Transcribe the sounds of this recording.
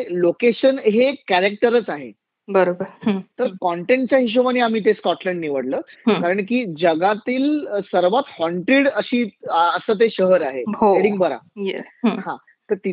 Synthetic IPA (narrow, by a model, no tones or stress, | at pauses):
lokeɕənɦekæɾek̚ʈəɾət͡saɦḛ | bəɾobəɾɾt̪əɾkɔɳʈeɳʈ̚t͡ɕjaɦiɕ̬oʋaniːam̤iːt̪̬eskɔʈlɛɳɖniʋəɽləːkaɾəɳk̬iːd͡ʑəɡat̪iːlsəɾʋat̪hɔɳʈɾiɽəɕiːəsəːt̪̬eɕəɦəɾaɦeɦoeɽĩŋɡ̚bəɾa̰jɛhã | t̪əɾt̪i